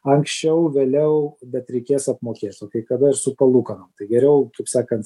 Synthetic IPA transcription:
ɐŋksʲt͡ʃʲɛʊʋʲeːlʲɛʊbʲɛt̪ɾʲɛɪkʲeːsɐpmoːkʲeːt̪ʲoːkɐɪkɐd̪ɐɪrsʊpɐlˠuːkɐnɐmt̪ɐɪɡʲɛɾʲɛʊkɐɪpsɑːkɐnt̪

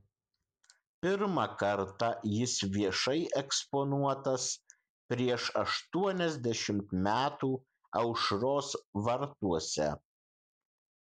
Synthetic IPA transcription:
pʲɪɾmɐkɐɾt̪ɐjɪsʋʲiɛʃɐɪʔɛkspɔnuɔt̪ɐs | pʲɾʲiɛʃɐʃt̪uɔnʲɛzʲd̪ʲɛʃʲɪmt̪mʲæːt̪uː | ɐʊʃɾoːsʋɐɾt̪uɔsʲɛ̰

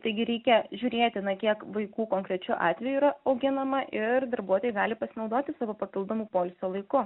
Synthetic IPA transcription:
t̪ɐɪɡʲɪɾʲɛɪkʲɛʒʲʊːɾʲeːt̪ʲɪnɐkʲiɛkʋɐɪkuːkoːŋkɾʲɛt͡ʃʲʊʔɑ̰ːt̪ʲʋʲɛjuiːɾɐɐʊɡʲɪnɐmɐʔɪrd̪ɐɾbuɔt̪oːjɪɡɑːlʲɪpɐsʲɪnɐʊd̪oːt̪ʲɪsɑːʋoːpɐpʲɪlˠd̪oːmuːpoːlʲsʲoːlˠɐɪkʊ

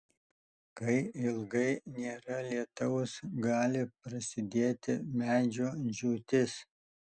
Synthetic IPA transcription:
kɐɪɪlˠɡɐɪnʲeːɾɐlʲiɛt̪ɐʊsɡɑːlʲɪpɾɐsʲɪd̪ʲeːt̪ʲɪmʲæːd͡ʒʲoːʒʲuːt̪ʲɪs

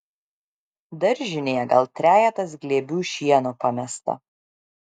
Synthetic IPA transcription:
d̪ɐɾʲʒʲɪnʲeːɛɡɐlˠt̪ʲɾʲæːjɛt̪ɐs̬ɡlʲeːbʲuːʃʲiɛnoːpɐmʲɛst̪ɐ̰

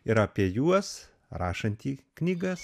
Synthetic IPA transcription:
ɪɾɐːpʲiɛjuɔs | ɾɑːʃɐnʲt̪ʲiːknʲiːɡɐs

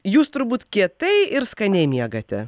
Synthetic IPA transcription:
juːst̪ʊɾbuːt̪kʲiɛt̪ɐɪɪɾskɐnʲɛɪmʲiɛɡɐt̪ʲɛ

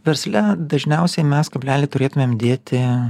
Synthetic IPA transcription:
ʋʲɛɾʲsʲlʲɛd̪ɐʒʲnʲɛʊsʲɛɪmʲɛskɐbʲlʲæːlʲeːt̪ʊɾʲeːt̪ʊmʲeːmd̪ʲeːt̪ʲɪ

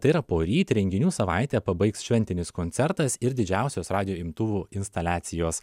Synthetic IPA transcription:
t̪ɐɪiɾɐpoːɾʲiːt̪ʲɾʲɛŋʲɡʲɪnʲuːsɐʋɑˑɪt̪ʲɛːpɐbɐɪksʃʲʋʲɛnʲt̪ʲɪnʲɪskonʲɛɾt̪ɐsɪɾd̪ʲɪd͡ʒʲæˑʊsʲoːsɾɑːd̪ʲɪjoːɪmt̪ʊʋuːɪnst̪ɐlʲæːt̪sʲɪjoːs

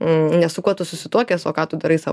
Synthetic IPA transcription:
nʲɛsʊkuɔt̪ʊsʊsʲɪt̪uɔkʲeːsoːkɑːt̪ʊd̪ɐɾɐɪsɑ̰

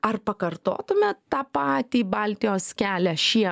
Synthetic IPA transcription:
ɐrpɐkɐrt̪o̰ːt̪ʊmʲɛtt̪ɑːpɑːt̪ʲiːbɐlʲt̪ʲɪjoːskʲæːlʲɛʃʲiɛ

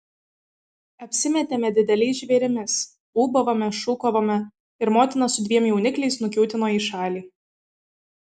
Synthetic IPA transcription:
ɐpʲsʲɪmʲɛt̪ʲemʲɛd̪ʲɪd̪ʲɛlʲɛɪsʒʲʋʲeːɾʲɪmʲɪs | uːbɐʋomʲɛʃuːkoʋoːmʲɛ | ɪɾmoːt̪ʲɪnɐsʊd̪ʲʋʲiɛmjɛʊnʲɪklʲɛɪsnʊkʲuːt̪ʲɪnoːiːʃɑːlʲiː

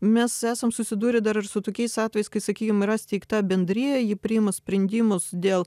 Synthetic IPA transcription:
mʲɛsæːsɐmsʊsʲɪd̪uːɾʲɪd̪ɐɾɐrsʊt̪oːkʲɛɪsɑːt̪ʲʋʲɛːjɛɪskɐɪsɐkʲiːkʲomɪɾɐsʲt̪ʲɛɪkt̪ɑːbʲɛnʲd̪ʲɾʲiːjɛjɪpʲɾʲɪɪmɐsʲpʲɾʲɛnʲd̪ʲɪːmʊsd̪ʲeːlˠ

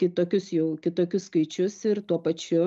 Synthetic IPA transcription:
kʲɪt̪oːkʲʊsjɛʊkʲɪt̪oːkʲʊsskɐɪt͡ʃʲʊsɪɾt̪uɔpɐt͡ʃʲʊ

